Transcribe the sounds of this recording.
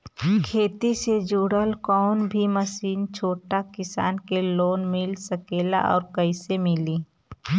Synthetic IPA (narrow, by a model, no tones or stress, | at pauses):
kʰeːt̪ised͡ʒuːɽəlkɔːnbʱiməsiːnt͡ʃʰoːʈakɪsa̰ːnkeloːnmɪlsəkeːla̰ʔɔ̰ːɾkəɪsemɪliː